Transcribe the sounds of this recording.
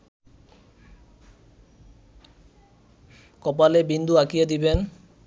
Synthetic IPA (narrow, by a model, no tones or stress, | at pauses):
kɔpalebind̪ʱuakijed̪iben